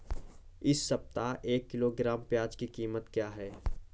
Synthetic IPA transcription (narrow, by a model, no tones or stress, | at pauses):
ɪsːɐp̚t̪aʔeːkːɪloɡɾaːmpjaːd͡ʒkikiːmət̪kjaːɦɛː